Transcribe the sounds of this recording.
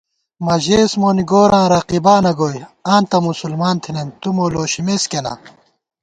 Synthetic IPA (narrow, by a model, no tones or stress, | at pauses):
mɐʑeːsmoːniɡoːɾãːɾɐqibaːnɐɡoːjãːnt̪ɐmusulmaːnt̪ʰinent̪umoːloːɕimeskela̰ː